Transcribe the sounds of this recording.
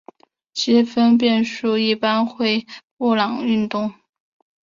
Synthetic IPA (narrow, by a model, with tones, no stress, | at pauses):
t͡ɕi˧˥fə˥np̬jɛ˥˧nʂu˥˧i˥˩pa˥nxwe˥˧ɪpu˥˩lɑ˨˩ŋy˥˧nt̪ʊ˥˩ŋ